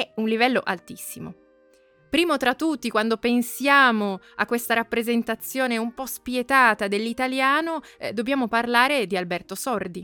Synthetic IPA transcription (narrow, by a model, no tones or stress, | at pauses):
ɛunlivɛlːoʔalt̪isːimo̰ | pɾiːmot̪ɾat̪ːut̪ːikwand̪opensjaːmoakːwest̪aɾapːɾezent̪at̪sːjoːneumpɔspjet̪aːt̪ad̪elːit̪aljaːnod̪objaːmoparlaːɾed̪ialbɛrt̪osɔrd̪i